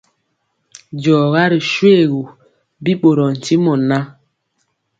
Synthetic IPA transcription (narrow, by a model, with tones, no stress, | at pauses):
d͡ʒɔː˨ɣa˦ɾi˨ʃwe˦˨ɣu˨ | bi˦ɓo˨ɾɔ˨n̩˨ti˦mɔ˨na˦